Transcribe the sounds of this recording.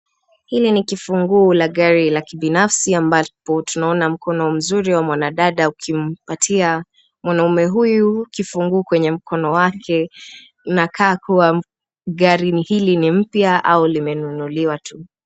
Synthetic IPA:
hilinikifuŋɡulaɠaɾilakiɓinafsiambapɔtunaɔnam̩kɔnɔm̩zuɾiwamwanaɗaɗaukʰim̩patʰia | mwanaumɛɦujukifuŋɡuːkwɛɲɛm̩kɔnɔwakʰɛ | nakʰaːkuwa | ɠaɾihilinim̩pjaʔa̰ulimɛnunuliwatʰu

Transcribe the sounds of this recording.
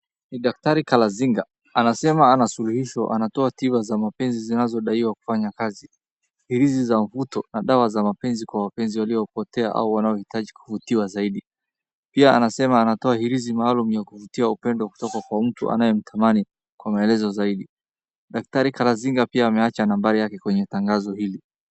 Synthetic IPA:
niɗak̚taɾikalaziŋɡa | anasɛmaanasuluhiʃɔʔa̰natɔativazamapɛnzizinazɔɗaiwaku̥faɲakazi | hiɾizizaɱ̩vutɔnaɗawazamapɛnzikwawapɛnziwaliɔpɔtɛaʔa̰uwanaɔhitaʄiku̥vutiwazaiɗi | piaa̰nasɛmaːnatɔahiɾizimaːlumujakuvutiaupɛndɔku̥tɔkakwam̩tṵʔa̰najɛm̩tʰamani | kwamaɛlɛzɔzaiɗi | ɗak̚taɾikalaziŋɡapiaːmɛat͡ʃanambaɾijakɛkwɛɲɛtaŋɡazɔhili

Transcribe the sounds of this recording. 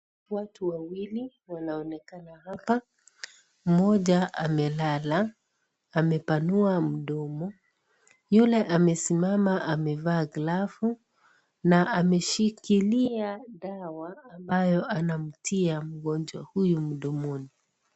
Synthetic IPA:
watuwawili | wanaɔnɛkanahapa | mɔʄaʔamɛlalaː | mɛpanuam̩ɗɔmɔ | julɛʔamɛsimamaʔamɛvaːɡlafu | naʔamɛʃikiliaɗawaːmbajɔanam̩tʰiam̩ɠɔnd͡ʒwa̰hujum̩ɗɔmɔni

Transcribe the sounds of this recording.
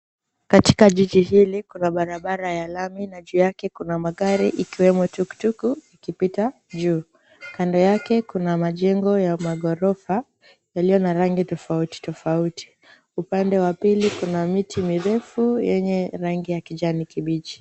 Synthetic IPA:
kati̥kaʄiʄiɦilikunaɓaɾaɓaɾajalaminaʄujakɛkunamaɠaɾiʔikiwɛmɔtuku̥tukuikipita | ʄuː | kandɔjakɛkunamaʄɛŋɡɔjamaɠɔɾɔfa | jalijɔnaɾaŋɡitɔfauti̥tɔfauti̥ | upandɛwapilikunamitʰimiɾɛfujɛɲɛɾaŋɡijakiʄanikiɓid͡ʒi̥

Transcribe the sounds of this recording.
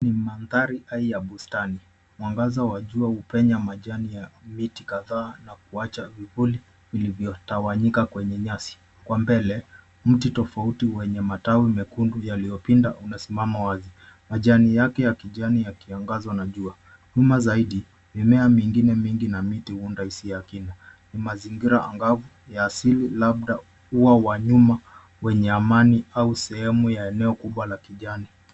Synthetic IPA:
nimanðaɾiʔaijaɓustani | mwaŋɡazawaʄuahupɛɲamaʄanijamitikaðaːnakuat͡ʃavivuli | vilivjɔtawaɲikakwɛɲɛɲasi̥ | kwambɛlɛ | m̩titɔfautiwɛɲɛmatawimɛkundujalijɔpinda̰ʔunasimamawazi | maʄanijakɛjakiʄanijakiaŋɡazwanaʄua | ɲumazaiɗi | mimɛamiŋɡinɛmiŋɡinamitihuundahisijakinanimaziŋɡiɾaa̰ŋɡavu | jaːsililab̚ɗa | uwawaɲuma | wɛɲɛamaniausɛhɛmujaɛnɛɔkuɓwalakiʄani

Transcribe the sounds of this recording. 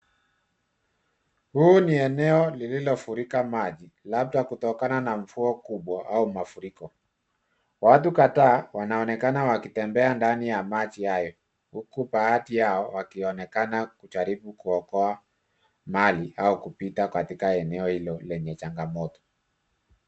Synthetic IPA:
huːniɛnɛɔlililɔfuɾikamaʄi | lab̚takutɔkananaɱ̩fuɔkuɓwaʔaumafuɾikɔ | wat̬ukataːwanaɔnɛkanawakitɛmbɛandanijamat͡ʃiajɔ | hukupaatijaɔwakiɔnɛkanakut͡ʃaɾiɓukuɔkɔa | maliaukupitakatikaɛnɛɔhilɔlɛɲɛt͡ʃaŋɡamɔtɔ̥

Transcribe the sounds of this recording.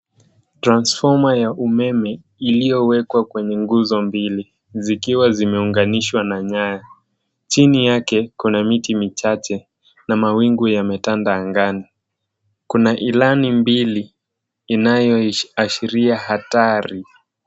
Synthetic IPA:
tɾansfɔmajaʔumɛmɛ | ilijɔwɛkwakwɛɲɛŋɡuzɔmbili | zikiwazimɛuŋɡaniʃwanaɲaja | t͡ʃinijakɛkunamitimit͡ʃat͡ʃɛ | namawiŋɡujamɛtandaːŋɡani | kunaʔilanimbiliː | najɔaʃiɾiahataɾi

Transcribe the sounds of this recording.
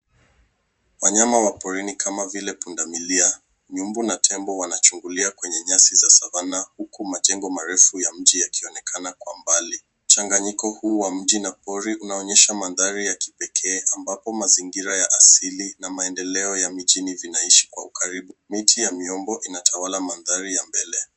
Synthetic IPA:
waɲamawapɔɾinikʰamavilɛpundamilia | ɲumbunatʰɛmbɔwanat͡ʃuŋɡuliakwɛɲɛɲasizasavanahukumatɛŋɡɔmaɾɛfujam̩d͡ʒijakiɔnɛkʰanakwambali | m̩t͡ʃaŋɡaɲikɔhuːwam̩ʄinapɔɾiʔunaɔɲɛʃamanðaɾijaki̥pɛkʰɛːambapɔmaziŋɡiɾajaʔasilinamaɛndɛlɛɔjamiʄinivinaiʃi̥kwaukaɾiɓumitʰijamiɔmbɔʔinatʰawalamanðaɾijambɛlɛ

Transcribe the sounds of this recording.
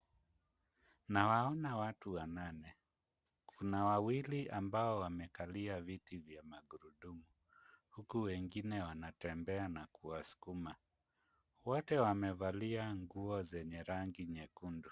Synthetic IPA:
nawaɔnawatuwananɛ | kʰunawawiliʔambaɔwamɛkaliavitivjamaɡuɾuɗumu | hukuwɛŋɡinɛwanatɛmbɛanakuwasu̥kuma | wɔtɛwamɛvaliaŋɡuɔzɛɲɛɾaŋɡiɲɛkundu

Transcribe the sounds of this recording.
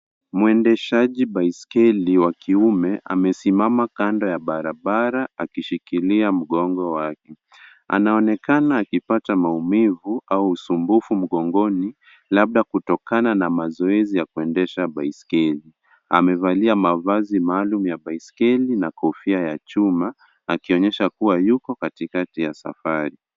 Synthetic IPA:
muɛndɛʃaʄiɓaiskɛliwakiumɛʔa̰mɛsimamakandɔjaɓaɾaɓaɾaakiʃikiliam̩ɠɔŋɡɔwakɛ | a̰naɔnɛkanaːkipatamaumivuauːsumbufum̩ɠɔŋɡɔni | lab̚ɗakutɔkananamazɔɛzijakuɛndɛʃaɓaiskɛli | a̰mɛvaliamavazimaːlumujaɓaiskɛlinakɔfiajat͡ʃumaː | kiɔɲɛʃakuwajukɔkatikatijasa̰faɾi

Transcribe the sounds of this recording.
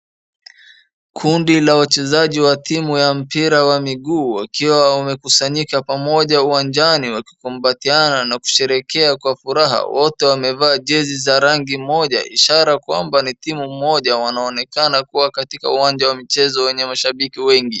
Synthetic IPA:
kʰundilawat͡ʃɛzaʄiwatʰimujam̩piɾawamiɠuːwa̰kiwaumɛkusaɲikapamɔʄauwand͡ʒaniwaki̥kumbatiananaku̥ʃɛɾɛkɛakwafuɾaɦa̰wɔtɛwamɛvaːʄɛzizaɾaŋɡimɔʄa̰ʔḭʃaɾakwa̰mbanitimumɔʄawanaɔnɛkanakuwakatika̰uwand͡ʒawamit͡ʃɛzɔwɛɲɛmaʃaɓikiwɛŋɡi

